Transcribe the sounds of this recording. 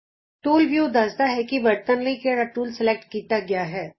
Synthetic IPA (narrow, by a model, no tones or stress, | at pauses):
ʈoːlʋjud̪ɐzd̪aɦɛkiʋɐɾt̪ənlikeɾɐʈuːlsɪlek̚ʈ̚kiːt̪aɡɪjaɦɛː